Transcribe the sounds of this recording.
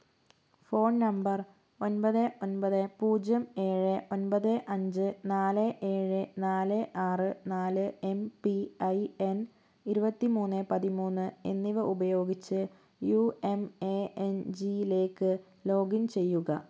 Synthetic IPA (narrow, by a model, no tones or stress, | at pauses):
fo̞ːnnɐmbɐr | o̞nbɐðɨo̞nbɐðɨpuːd͡ʑɐme̞ːɻɨʔonbɐðɨʔɐɲd͡ʑɨnaːlɨʔe̞ːɻɨnaːlɨʔaːrɨnaːlɨe̞mpiɐjen | iɾubɐt̪ːimuːnːɨpɐðimuːnːɨḛnːiʋɨʔubɐjo̞ːɡit͡ɕːɨ | juːe̞meend͡ʑile̞ːkːɨ | lo̞ːɡint͡ɕe̞jːuɣɐ